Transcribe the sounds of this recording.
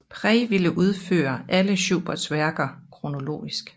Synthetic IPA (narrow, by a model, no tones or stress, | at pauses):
pʰʁɛʋiləʔuð̞ˠfø̰ːɐʔæləɕṵːb̥ɐd̥sʋæɐɡ̥ɐkʰʁo̝no̝lo̝̰ːisɡ̥